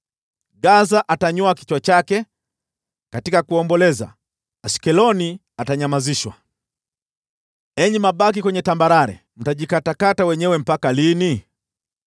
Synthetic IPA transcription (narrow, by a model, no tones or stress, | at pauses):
ɡazaʔataɲɔaki̥t͡ʃwat͡ʃakɛ | katikakuɔmbɔlɛza̰ː | skɛlɔni | ataɲamaziʃwa̰ | ɛɲimaɓak̬ikwɛɲɛtambaɾaɾɛ̰ | m̩taʄikatakatawɛɲɛwɛm̩pakalini